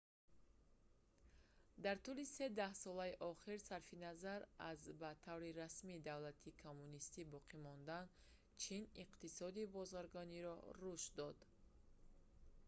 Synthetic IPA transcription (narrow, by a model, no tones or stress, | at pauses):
d̪aɾt̪ulise̞d̪ahsɔlaiʔɔχiɾsaɾfinazaɾazbat̪ʰavɾiɾasmid̪avlat̪ʰikʰomːunist̪ibɔqʰimɔnd̪an | t͡ʃʰiniqt̪isɔd̪ibɔzaɾɡɔniɾɔ̰ɾuʃtd̪ɔd̪